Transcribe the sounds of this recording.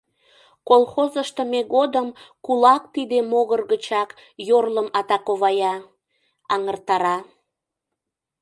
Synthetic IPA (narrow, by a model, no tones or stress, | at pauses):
kolxozəʃt̪əmeɣod̪əmkulɑk̚t̪id̪emoɣərɣət͡ɕɑk | jorləmɑt̪ɑkoβɑjɑ | ɑŋərt̪ɑɾɑ